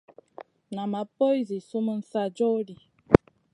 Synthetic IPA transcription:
na˨ma˨po˦jzi˨su˦mə˦n̩˦sa˦d͡ʒo˦li˨

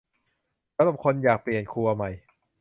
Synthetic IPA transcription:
ɾa˧˥ba˨˩p̚kʰo˧njaː˨˩k̚pli˨˩ənkʰu˧ɐ˧ma˧˩j

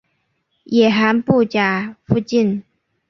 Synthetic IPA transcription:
jɛ˨˩ɦa˧˥npu˥˩t͡ɕja˨˩fu˥˧t͡ɕi˥˩˨n

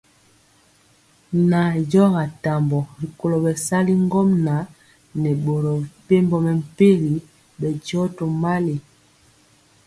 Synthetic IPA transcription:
na˨ɟɔ˦ŋa˨ta˨mbɔ˨ɾi˨ko˨loɔ˨bɛ˨sa˦li˦ŋ˦ɡɔ˦mna˨ | nɛ˨ɓo˨ɾɔ˨pe˦mbɔ˨mɛ˨m̩˨pe˦li˨˦ | ɓɛ˨d͡ʒɔ˦to˨ma˦li˨

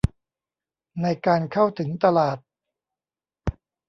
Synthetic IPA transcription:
na˧jkaː˧nkʰa˥˩wt̪ʰɯ˩˦ŋt̪a˧laː˨˩t̪̚

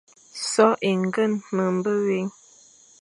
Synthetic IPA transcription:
sɔ˨˦ʔe˨ŋ˦ɡə˦˨nmə˨m̩˨bə˦ɣe˨˦ŋ

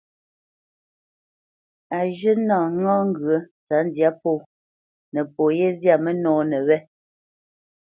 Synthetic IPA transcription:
a˨ʒə˦nɔ̃ː˨˦ŋɔ̃ː˦ŋ˦ɡɰə˨˦t͡sa˨˦n˦dja˦po˦˨ | nə˨po˨je˦zja˦˨mɛ˦nɔ̃ː˨˦nɛ˨wɛ˦

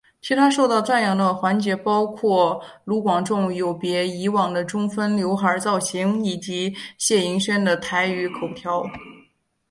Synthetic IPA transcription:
t͡ɕʰi˧˥t̪ʰa˥ʂo˥˧ʊt̪ɑ˥˧ʊt͡sa˥˩njɑ˧˩ŋd̪ə˧xwa˧˥nt͡ɕjɛ˧˥pɑ˥ʊkʰwɔ˥˩lu˧˥kwɑ˨˩ŋʈ͡ʂʊ˥˩ŋjo˨˩ʊpjɛ˧˥i˧˥wɑ˨˩ŋd̪ə˦ʈ͡ʂʊ˥ŋfə˥nljo˧˥ʊxə˞˧˥t͡sɑ˥˩ʊɕi˧˥ŋi˨˩t͡ɕi˧˥ɕjɛ˥˩i˧˥ŋɕɥɛ˥nd̪ə˨t̪ʰa˧˥ɪy˧˥kʰo˨˩ʊt̪ʰjɑ˧˥ʊ

